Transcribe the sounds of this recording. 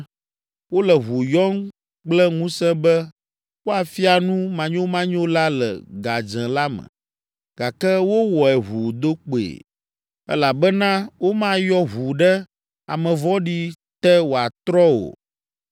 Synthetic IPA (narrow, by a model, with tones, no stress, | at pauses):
wo˦lɛ˨βu˨jɔ˦ŋ | k͡plɛ˦ŋũ˦sɛ̃˦bɛ˦ | wo˦a˨fi˦a˨nũ˦mã˨ɲõ˦mã˦ɲõ˦la˦lɛ̰˨ɡa˨d͡ʒɛ̃˨la˦mə̰̃˨ | ɡ̥a˨kɛ˦wo˦wɔ˨ɛ˨ɦu˨d̪o˦k͡po˨ḛ˨ | ɛ̰˦la˨bɛ˦nã˦wo˦mã˦jɔ˦ɦu˨ɖɛ˦ | a̰˨mɛ̃˨vɔ˦ɖi˦ | t̪ɛ˦wo˨a˨t̪ɾɔ˦wo̰˨